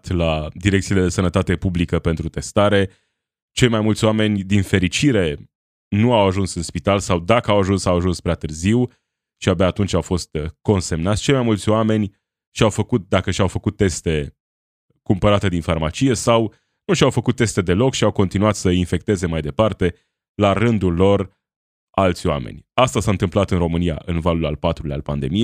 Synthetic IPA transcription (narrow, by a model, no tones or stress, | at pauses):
t̪lad̪iɾek̚t̪sile̞d̪esənət̪at̪e̞publikəpe̞nt̪ɾut̪e̞st̪aɾe̞ | t͡ʃe̞jmajmult̪sʲoame̞nʲd̪infe̞ɾit͡ʃiɾe̞ | nuawaʒunsɨnspit̪alsawd̪akəawaʒunsawaʒunspɾeat̪ɨrziw | ʃiabjaːt̪unt͡ʃʲawfo̞st̪ko̞nse̞mnat̪sʲt͡ʃe̞jmajmult̪sʲoame̞nʲ | ʃiawfəkut̪̚d̪akəʃawfəkut̪ːe̞st̪e̞ | kumpəɾat̪e̞d̪infarmat͡ʃije̞saw | nuʃiawfəkut̪ːe̞st̪e̞d̪e̞lo̞kʃiawko̞nt̪inuat̪səinfe̞k̚t̪e̞ze̞majd̪e̞part̪e̞ | laɾɨnd̪ulːo̞r | alt̪sʲoa̰mḛnʲast̪asaɨnt̪ɨmplat̪ɨnro̞mɨnija̰ʔɨnvalula̰lpat̪ɾulea̰lpand̪e̞mije